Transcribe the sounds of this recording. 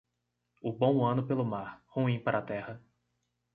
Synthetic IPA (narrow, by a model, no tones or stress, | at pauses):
ʊbõw̃ɐ̃nʊpelʊmaɾhuĩpaɾaːt̪ɛhɐ